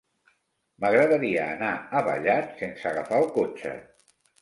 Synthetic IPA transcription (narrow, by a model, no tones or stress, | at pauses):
məɣɾəðəɾiəːnaəβa̰ʎat̪sensəɣafalkot͡ʃə̰